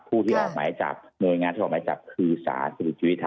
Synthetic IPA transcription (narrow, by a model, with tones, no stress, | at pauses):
pʰuː˥˩t̪ʰiː˥˩ʔɔː˨˩k̚maː˨˦jt͡ɕa̰˨˩p̚nu˧jŋaː˧nt̪ʰi˥˩˨maː˨˦t͡ɕa̰˨˩p̚kʰɯː˧sa̰ː˨˩˦nsa˧di˨˩t̪t͡ɕʰi˧˦˥t̪ʰː